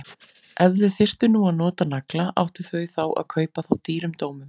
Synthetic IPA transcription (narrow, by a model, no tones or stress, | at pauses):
ʔɛvðʏθɪr̥t̪ʏnuaðnɔːt̪anaklaʔa̰wht̪ɪ̥θœːjθawʔa̰ðkʰœːɥpaθawt̪iːɾʏmt̪oːwmʏm